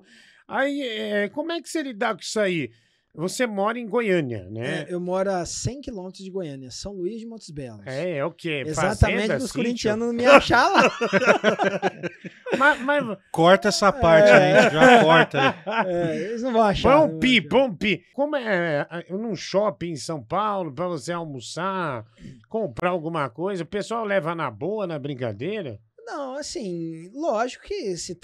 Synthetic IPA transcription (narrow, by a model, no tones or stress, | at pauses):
aiɛɛkõmʊɛkɪ̥selid̪akõi̥sai | vosemɔɾɐẽj̃ɡojɐ̃niɐ̰nɛewmɔɾʊasẽj̃kilõmet̪ɾʊzd͡ʒɪɡojɐ̃niɐsɐ̃w̃luizd͡ʒɪmõt̪ʊzbɛlɐsɛɛokʰeezfaazt̪ɐmẽẽt͡ʃd̪ɐʊssõɾĩt͡ʃiɐ̃nʊzñmiaʃala | mɐmazkɔɾt̪ɐɛsɐpaɾt͡ʃʒẽʒakɔɾt̪ɐɛɛejznɐ̃w̃vɐ̃õw̃aʃãũpipɐ̃ũpikõmʊɛnũʃɔpɪẽsɐ̃w̃pawlʊpɾɐvoseawmusa | kõmpɾaawɡũmɐkojzɐʊpesuawlɛvɐnɐboɐnɐbɾĩka̰d̪ejɾɐ | nɐ̃w̃asĩlɔʒikʊ̥kɪsɪ